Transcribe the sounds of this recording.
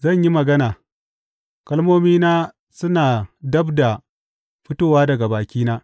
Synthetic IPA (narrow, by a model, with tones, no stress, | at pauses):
zɐ˦˨ɲji˦mɐ˨ɡɐ˦naː˨ | kɐ˦lmoː˦miː˦naː˦ | sʊ˦naː˨dɐ˦bda˨ | ɸɪ˦toː˦waː˦dɐ˨ɡa˨baː˨kʲiː˦naː˦